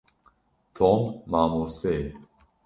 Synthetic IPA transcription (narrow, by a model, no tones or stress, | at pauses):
t̪ʰɔmːamose